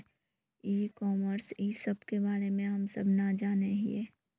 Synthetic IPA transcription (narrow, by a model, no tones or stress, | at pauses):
iːkɔːməɾsiːsəbʱkebaːɾemẽɦəmsəbʱnad͡ʒaːneɦḭeː